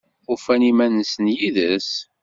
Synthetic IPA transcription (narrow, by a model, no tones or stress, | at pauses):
ʊfænimænəsənjiðəs